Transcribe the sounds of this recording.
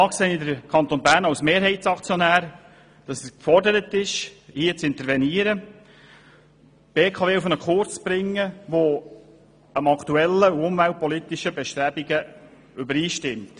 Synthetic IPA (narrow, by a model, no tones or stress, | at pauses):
ɑːkseːnɪdəɾkʰɑnt̪onbæːɾnɑwsmeːɾɦɛɪtsɑkt͡sjonæːɾ | d̥ɑsɛskfɔrdəɾətɪʃhiːət͡sɪnt̪əɾvɛniːəɾə | b̥eːkʰɑveːufənəkʰʊɾt͡sb̥ɾɪŋːəʋo | əmɑkʰt̪uɛlːəuʊmvælt̚pɔlit̪iʃəbɛʃt̪ɾæbiɡə | ʏbəɾiːʃtɪmt